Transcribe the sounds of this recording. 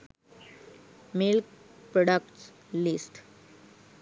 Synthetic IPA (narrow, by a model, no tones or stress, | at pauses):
milk̚pɾoɖəkʈs | lisʈ